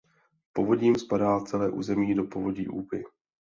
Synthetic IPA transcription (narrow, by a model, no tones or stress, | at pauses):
po̞vo̞ɟɲiːmspadaːt͡sɛlɛːʔṵːzɛmiːdo̞po̞vo̞ɟiːʔuːpɪ̰